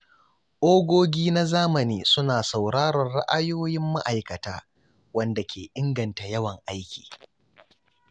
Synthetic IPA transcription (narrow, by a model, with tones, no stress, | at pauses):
ʔoː˦ɡʷoː˦ɡʲiː˦na˦zaː˦mɐ˨niː˦sʊ˦naː˨sa˨wɽaː˦ɾɐ˨rɽa̰˦ʔa˦joː˦jɪ˦mːa̰˦ʔa˨jkɐ˨taː˦ | wɐ˦nda˨kʲʰeː˨ʔɪ˦ŋɡɐ˨nta˨jɐ˦wɐ˨ŋʔa˦jkʲʰi̥ː˨